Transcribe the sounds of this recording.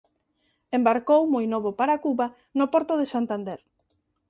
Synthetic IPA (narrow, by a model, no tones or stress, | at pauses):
embaɾkowmojnoβopaɾakuβa | nopɔɾt̪ʊðesant̪and̪eɾ